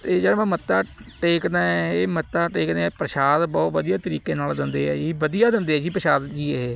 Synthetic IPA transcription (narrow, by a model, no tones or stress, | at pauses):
t̪eːd͡ʒəɽmɛ̃ːmət̪ːaːʈeːkd̪aːɛːeːmət̪ːaːʈeːkd̪eːpɾəʃaːd̪bɔːt̪ʋəd̪ijaːt̪əɾiːkẽːnaːld̪ɪnd̪eːɛːd͡ʒiːʋəd̪ijaːd̪ɪnd̪eːɛːd͡ʒiːpɾəʃaːd̪d͡ʒiːeeː